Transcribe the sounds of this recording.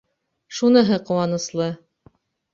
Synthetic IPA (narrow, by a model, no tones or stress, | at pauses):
ʃunɤ̆ɦɤqŏwɑnɤ̆slˠɤ